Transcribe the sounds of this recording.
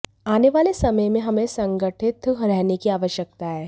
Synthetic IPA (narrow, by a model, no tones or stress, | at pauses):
aːneʋaːlesɐməjmẽɦɐmẽsɐ̃ŋɡəʈʰɪt̪ʰɾɛɦnekiaːʋəʃjək̚t̪aɦɛː